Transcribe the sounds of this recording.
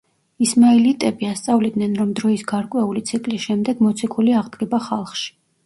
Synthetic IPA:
ismailit̪ʼɛbiast̪sʼavlid̪nɛnɾɔmd̪ɾɔisɡaɾkʼwɛulit̪sʰikʼlisʃɛmd̪ɛɡmɔt̪sʰikʰuliaʁd̪ɡɛbaχalˠχʃi̥

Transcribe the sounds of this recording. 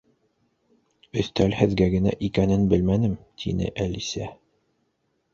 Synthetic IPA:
ɵ̆θt̪ælhɘ̆ðɡæɡɘ̆næ̰ʔikænɘnbɘlmænɘmt̪ʰḭnɘ̰ʔælisæ

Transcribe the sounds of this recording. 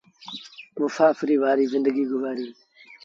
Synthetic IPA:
mʊsaːfɪɾiːʋaːɾiːzɪ̃nd̪əɡiːɡʊzaːɾiː

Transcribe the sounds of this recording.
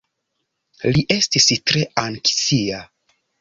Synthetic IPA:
liʔe̞stistɾe̞anksia

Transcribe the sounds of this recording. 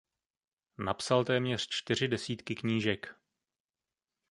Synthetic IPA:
napsalt̪ɛːmɲɛr̝̥t͡ʃt̪ɪr̝ɪdɛsiːt̪kɪkɲiːʒɛk

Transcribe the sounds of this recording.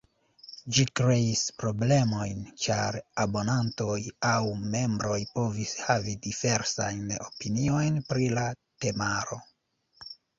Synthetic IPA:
d͡ʒikɾe̞ispɾo̞ble̞mo̞jnt͡ʃa̰ɾabo̞nanto̞jawme̞mbɾo̞jpo̞vishavidive̞ɾsajno̞pinio̞jnpɾilate̞maɾo̞

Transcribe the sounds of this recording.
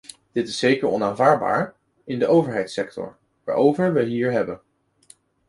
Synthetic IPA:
d̥ɪtɪsejkəɹɔnaːnvaːɹd̚ba̰ːɹ | ɪndəʔowvəɹɦɛjtsɛk̚tɔ̰ɹ | ʋaːɹowvəɹʋəɦiːɹɦɛbən

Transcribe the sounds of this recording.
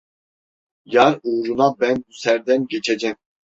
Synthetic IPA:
jaɾuːɾunabænbusæɾd̪ænɟet͡ʃʰed͡ʒɛm

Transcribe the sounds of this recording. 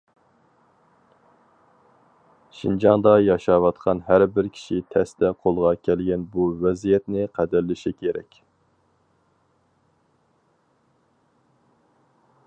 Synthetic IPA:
ʃind͡ʒɑŋd̪ɑjɑʃɑwɑt̪qʰɑnɦæɾbɪɾkʲʰi̥ʃit̪ʰɛsd̪ɛqʰolˠʁɑkʲʰɛlɡʲɛnbuvɛzijɛt̪nɪqʰæd̪æɾlɪʃikʲʰeɾɛ̰kʲ

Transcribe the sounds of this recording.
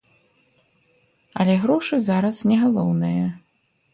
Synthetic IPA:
ɐ̰lʲɛɣɾɔʂɨzaɾɐsnʲɛɣalˠɔwnɨjɐ

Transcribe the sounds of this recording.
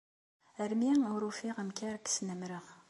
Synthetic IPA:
əɾmiŋʊɾufiʁəmkæɾksnəmɾəʁ

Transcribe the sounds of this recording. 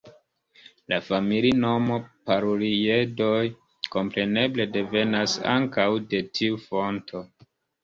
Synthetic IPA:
lafamilino̞mopaɾuɾie̞do̞j | ko̞mpɾe̞ne̞ble̞de̞ve̞nasa̰ŋkawde̞tʰiufo̞ntʰo̞

